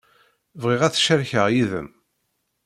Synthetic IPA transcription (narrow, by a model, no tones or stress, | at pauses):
vʁɪʁæθʃəɾçəʁjiðə̰m